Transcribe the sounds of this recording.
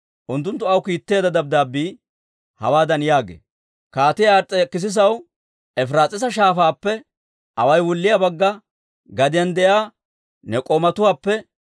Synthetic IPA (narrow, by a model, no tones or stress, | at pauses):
ʔʊnt̪ːʊnt̪ːʊɐwkiːt̪ːeːd̪ɐd̪ɐb̚d̪aːbːiː | hɐwaːd̪ɐnjaːɡḛː | kaːt̪ɪjaɾt͡sʼɛkːɪs̬ɪs̬ɐw | ɛfɾaːt͡sʼɪs̬ɐʃaːfaːpːɛ | ʔɐwɐjwʊlːɪjabɐɡːɐ | ɡɐd̪ɪjɐnd̪ɛjaː | nɛkʼɔmɐt̪ʊwaːpːɛ